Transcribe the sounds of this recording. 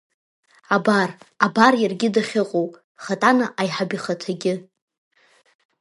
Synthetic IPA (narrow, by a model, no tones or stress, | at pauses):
abarabarjarɡʲɪdaχʲɪqʼowʼ | χatʼanaʔajħabiχatʰaɡʲɪ